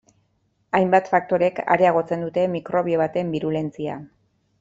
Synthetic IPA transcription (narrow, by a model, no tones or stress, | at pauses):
ajmbat̪fak̚t̪o̞ɾe̞ka̰ɾe̞aɣ̞o̞t͡se̞nd̪ut̪e̞mikɾo̞βio̞βat̪e̞mbiɾule̞nt͡sia̰